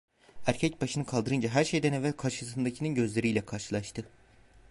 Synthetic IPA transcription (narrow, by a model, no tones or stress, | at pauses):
æɾcʰɛcbaʃɯnɯkʰalˠd̪ɯɾɯnd͡ʒaɦæɾʃe̞jd̪ænevælkʰaɾʃɯsɯnd̪acʰininɟø̞zlʲe̞ɾijlʲɛkʰaɾʃɯlˠaʃt̪ʰɯ